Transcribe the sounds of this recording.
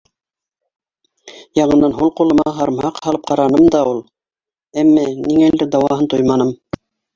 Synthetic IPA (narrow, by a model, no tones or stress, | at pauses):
jɑɴɤ̆nːɑnɦulˠqulˠɤ̆mɑɑɦɑɾmhɑqhɑlˠɤp̚qɑɾɑnɤmd̪ɑulˠ | æmːæniŋæld̪ɘd̪ɑwɑɦɤnt̪ojmɑnɤm